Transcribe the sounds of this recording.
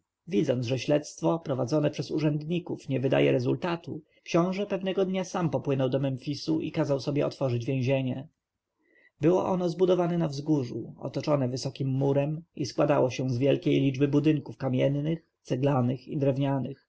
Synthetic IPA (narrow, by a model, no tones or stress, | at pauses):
vʲid̪zɔnzʐɛɕlɛt̪st̪fɔpɾɔvad̪zɔnɛpʂɛzuʐɛnd̪ɲikufɲɛvɘd̪a̰jɛ̰ɾɛzult̪at̪u | kɕɔ̃w̃ʐɛpɛvnɛɡɔd̪ɲasampɔpwɘnɔwd̪ɔmɛmfʲisuʔikazawsɔbʲjɛɔt̪fɔʐɘd͡ʑvʲjẽʑeɲɛ | bɘwɔ̰ʔɔnɔzbud̪ɔvanɛnavzɡuʐṵɔ̰t̪ɔt͡ʂɔnɛvɘsɔkʲimːuɾɛmiskwad̪awɔɕɛ̃zvʲjɛlkʲejlʲid͡ʐbɘbud̪ɘŋkufkamʲjɛnːɘx | t̪sɛɡlanɘxid̪ɾɛvɲanɘx